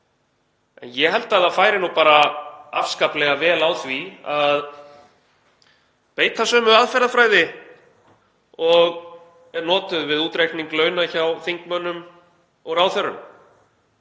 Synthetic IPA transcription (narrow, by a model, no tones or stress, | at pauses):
ɛ̰njɛɦɛlt̪aðafaːjɾɪnupaːɾaa̰fskaplɛɣavɛːlawθviað | peːjt̪asœːmʏaðfɛɾðafɾaːjðɪ | ɔɣ | ɛnɔːt̪ʏðvɪðuːt̪ɾejkniŋklœːɥnaçawθiŋkmœnːʏm | ɔɣɾawθɛɾʏnm